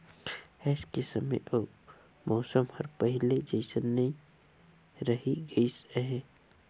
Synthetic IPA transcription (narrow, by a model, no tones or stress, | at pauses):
ɛːskesəmə̰jʔo | mɔːsəmhəɾpəɦɪled͡ʒəɪsənːe | ɾəɦiɡəisəɦɛ̃